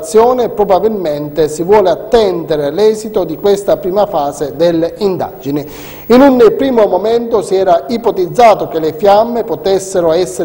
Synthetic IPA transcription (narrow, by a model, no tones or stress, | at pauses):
t̪sːjɔːnepɾobabilment̪esivwɔːleat̪ːɛnd̪eɾelɛːzit̪od̪ikwest̪apɾiːmafaːzed̪elːind̪a̰d͡ʒinɪ | inunpɾiːmomomɛnt̪osiɛːɾaipot̪id̪zːaːt̪ok̟elefjamːepot̪esːeɾoɛsːe